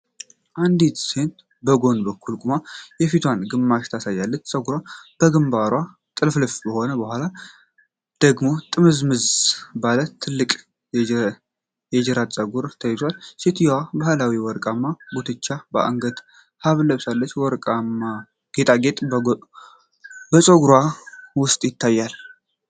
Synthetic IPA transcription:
ʔand̪it̪se̞nt̪ | bəɡo̞nbəkːulkʼumajɛfit̪ʰwanɡɨmːaʃt̪ʰasajːalːət͡ʃːsʼəɡuɾwab̥əɡɨmbaɾwa | t̪ʼɨlflɨfbəho̞nəbəhʷala | d̪̥əɡmo̞t̪ʼɨmɨzmɨzbalət̪ʰːɨlːɨkʼ | jɛd͡ʒɛɾat͡sʼəɡuɾt̪ʰəjɪzwalsit̪ʰijwabahlawiwɔɾkʼamːabut̪ʰɨt͡ʃːabəʔa̰ŋɡət̪ | haβləβsalːət͡ʃːwɔɾkʼamːa | ɡ̥e̞t̪ʼaɡe̞t̪ʼ | bəsʼoɡɾwawʊst̪ʼjɪt̪ʰːajːal

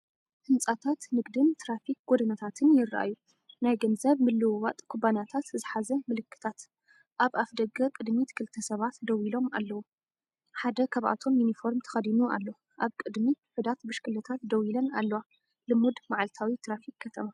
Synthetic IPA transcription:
hɨnt͡sʼat̪ʰat̪nɨɡd̪ɨnt̪ʰɾafik̚ɡ̥od̪ɐnɐt̪ʰat̪ʰɨnjɪrʔa̰jːu | najɡɐnzɐβmɨlːɨwwɐt̪ʼkʰubanjat̪ʰat̪zɨħazɐmɨlɨkːɨ̥t̪ʰat̪ | ʔaβafd̪ɐɡɐkʼɨd̪mit̪kʰɨlt̪ʰɐsɐβat̪d̪ɐwilo̞mʔa̰lːɐwu | ħad̪ɐkʰaβʔa̰t̪ʰo̞mjunifo̞ɾmt̪ʰɐ̥xɐd̪inua̰lːo | ʔaβkʼɨd̪miħɨd̪at̪bɨʃkʰɨlɐt̪ʰat̪d̪ɐwilɐna̰lːɐwa | lɨmud̪maʕalt̪ʰawit̪ʰɾafik̚ːɐt̪ʰɐma

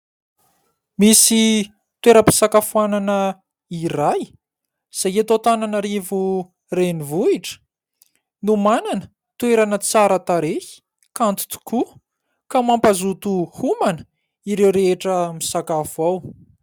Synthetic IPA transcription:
misi | t̪weɾəpi̥sakafuananə | iraj | z̥ajet̪ot̪ananaɾivu | renivuiʈ͡ʂə̥ | numananə | t̪weɾanət͡saɾat̪aɾehi̥ | kant̪u̥t̪u̥ku | kamampazut̪uhumanə̥ | iɾewɾeeʈ͡ʂəmisakafuaw

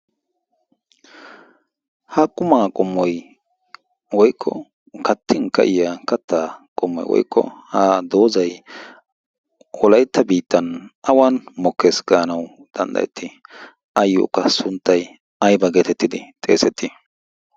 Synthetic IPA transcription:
hɐkʼʊmaːkʼɔmːɔj | wɔjkʰːɔ̰ | kɐt̪ːɪŋkɐ̰ʔɪjakɐt̪ːaːkʼɔmːɔ̰jwɔ̰jkːɔ̰haːd̪oːzɐj | wɔlɐjt̪ːɐbiːt̪ːɐnʔɐwanmɔkːesɡaːnɐwd̪̥ɐnd̪ɐ̰jɛ̰t̪ːɪ | ʔɐjːo̰ːkːɐsʊnt̪ːɐj | ɐjbɐɡet̪ɛt̪ːɪd̪ɪt̪ʼe̞̰ːsɛt̪ːɪ

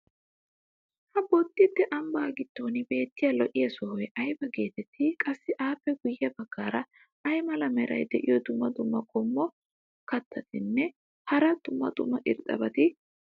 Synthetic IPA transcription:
hɐbɔt̪ːɪt̪ːɛʔɐmbaːɡɪt̪ːoːnɪbe̞ːt̪ːɪjɐlɔʔɪjɐsɔhɔjʔɐjbɐɡe̞ːt̪ɛt̪ʰːɪkʼɐsːɪʔaːpːɛɡʊjːɐbɐɡːaːɾɐ | ʔɐjmɐlɐmɛɾɐ̰jd̪ɛʔɪ̰jɔd̪ʊmːɐd̪ʊmːɐkʼɔmːɔ | kɐt̪ʰːɐt̪ɪnːɛ | hɐɾɐd̪̥ʊmːɐ̰d̪ʊmːɐʔɪɾt̪ʼːɐ̰bɐt̪ɪ

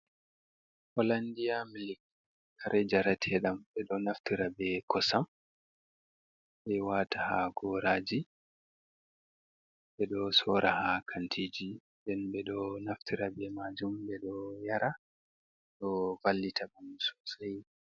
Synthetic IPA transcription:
ʔɔlandijamilik̚ | kaɾʔɛd͡ʒaɾatʰɛɗambɛɗɔnaftiɾabɛkɔsam | ɓɛwaːtahaɡɔɾaːd͡ʒi | ɓɛɗɔsɔɾahakʰantʰid͡ʒindɛnbɛɗɔnaftʰiɾabɛmad͡ʒumbɛɗɔjaɾa | ɗɔvalːitʰabamsɔ̥saj

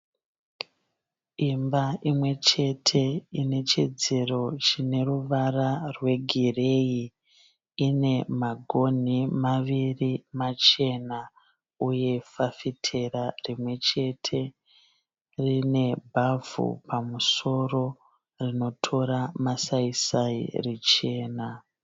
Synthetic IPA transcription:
imbaʔimwe̞t͡ʃe̞tʰe̞ine̞t͡ʃed͡ze̞ro̞t͡ʃine̞ruʋararwe̞ɡʱire̞i | ine̞maɡʱo̞n̤imaʋirimat͡ʃe̞na | uje̞fafitʰe̞ɾarimwe̞t͡ʃe̞tʰe̞ | rine̞bʱavṵpamuso̞ro̞ | rino̞tʰo̞ɾamasaisaḭret͡ʃe̞ːna

